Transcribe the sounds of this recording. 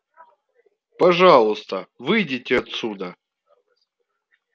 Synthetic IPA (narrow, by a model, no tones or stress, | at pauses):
pɐʐalˠʊst̪əvɨjdʲɪtʲɪɐt̪sud̪ə